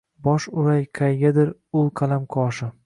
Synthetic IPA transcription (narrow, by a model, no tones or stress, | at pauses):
bɒʃʊɾajqʰajɡʲad̪ɪɾʊlˠqʰɑlamqʰɒʃɪ